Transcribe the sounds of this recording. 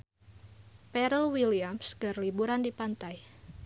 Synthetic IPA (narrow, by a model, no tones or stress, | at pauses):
pɛɾəlwiliamsɡ̥ərlibuɾandipant̪aj